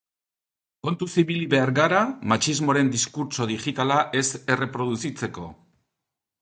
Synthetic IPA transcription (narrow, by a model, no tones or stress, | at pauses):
ko̞nt̪usiβiliβe̞aɾɣaɾamat͡ʃizmo̞ɾe̞nd̪iskuɾt͡ʃo̞ðiʝit̪alaʔe̞se̞re̞pɾo̞ðusit͡se̞ko̞